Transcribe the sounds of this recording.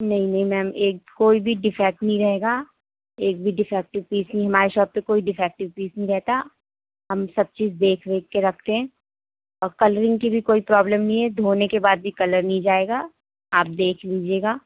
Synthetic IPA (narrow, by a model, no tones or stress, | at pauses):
nɐɦĩnɐɦĩmɛːmeːk̚koːibʱiɖɪfɛːk̚ʈnɐɦĩɾɐɦeːɡaː | eːk̚bʱiɖɪfɛːk̚ʈɪʋpiːsnɐɦĩɦɐmaːɾeʃɔːb̚pekoːiɖɪfɛːk̚ʈɪʋpiːsnɐɦĩɾɛɦt̪a | ɦɐmsɐb̚t͡ʃiːzd̪eːkʰʋeːkːeɾɐkʰt̪eɦɛ̃ː | ɔːɾkɐləɾɪ̃ŋɡkibʱikoːipɾɔːbləmnɐɦĩɦɛd̪ʱoːnekebaːd̪̚bʱikɐləɾnɐɦĩd͡ʒaːeːɡaː | aːp̚d̪eːkʰliːd͡ʒieːɡaː